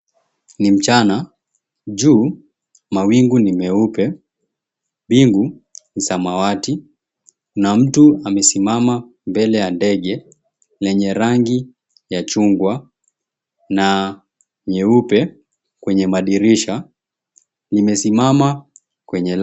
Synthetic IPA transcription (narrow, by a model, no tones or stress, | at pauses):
nim̩t͡ʃana | ʄuː | mawiŋɡunimɛupɛ | ɓiŋɡu | nisamawati | nam̩tuamɛsimama | mbɛlɛjandɛɠɛ | lɛɲɛɾaŋɡi | jat͡ʃuŋɡwa | na | ɲɛupɛ | kwɛɲɛmaɗiɾiʃa | nimɛsimama | kwɛɲɛl